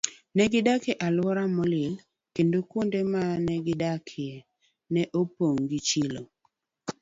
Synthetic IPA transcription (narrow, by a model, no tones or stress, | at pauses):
nɛɡɪdakeʔalwɔɾamɔlɪl | kendokwondemanɛɡɪdakʰɪɛ | nɛʔopoŋɡit͡ʃɪlo